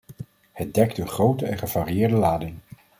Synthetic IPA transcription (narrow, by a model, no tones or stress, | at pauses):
hət̚dɛktənχrowtəɛnχəv̥aːrijɪːɹdəlaːdɪŋ